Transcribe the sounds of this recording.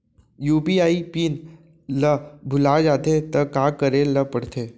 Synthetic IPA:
juːpiaipiːn | ləbʱulad͡ʒat̪et̪əkakəɾeləpəɽt̪ʰe

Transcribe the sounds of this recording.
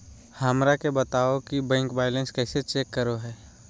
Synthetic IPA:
həmɾakebət̪aːokibɛ̃ːŋkbaːjlə̃nskɛːset͡ʃeːkːəɾoɦɛː

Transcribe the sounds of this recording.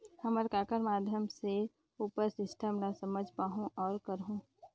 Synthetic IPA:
həməɾkaːkəɾmaːd̪ʱjəmse | uːpəɾsɪsʈəmɾasɐməd͡ʒʱpaːɦũʔɔːɾkəɾɦũː

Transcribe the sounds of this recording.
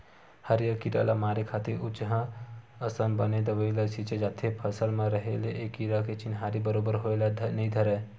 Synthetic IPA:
həɾijəkːiːʈa̰lamaːɾekʰaːt̪ɪɾʊt͡ʃɦã | əsənbəned̪əʋəilasit͡ʃed͡ʒaːt̪ʰːepʰəsəlmẽɾəɦeleʔeːkːiɾaket͡ʃɪnɦaːɾibəɾoːbəɾɦoelanəĩd̪ʱəɾɛ

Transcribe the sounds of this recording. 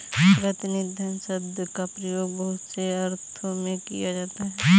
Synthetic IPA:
pɾɐt̪ɪnɪd̪ʱjənsəbd̪jkapɾɐjoːɡbɐɦʊt̪seɐɾt̪ʰõmẽkḭjad͡ʒaːt̪aɦɛː

